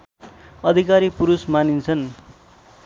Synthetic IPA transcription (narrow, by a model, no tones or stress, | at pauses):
ʌd̪ʱikaɾipuɾusmanint͡sʰʌn